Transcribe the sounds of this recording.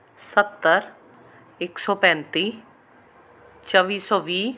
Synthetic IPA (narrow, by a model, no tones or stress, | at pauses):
sət̪ːəɾ | ɪksɔːpɛ̃ːnt̪iː | t͡ʃəʋiːsɔːʋiː